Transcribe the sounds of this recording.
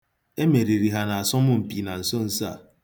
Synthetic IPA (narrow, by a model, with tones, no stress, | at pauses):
e˦me˨ɾi˨ɾi˨ɦa˨na˨a˨sɔ˦mʊ˦m̩˨pi˨na˨n̩˨so˦n̩˦sa̰˦˨